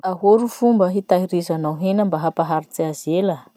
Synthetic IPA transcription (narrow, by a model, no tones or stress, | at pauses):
aɦoɾufumbəɦit̪aɦiɾizanawɦenəmbaɦapaɦaɾit͡siazelə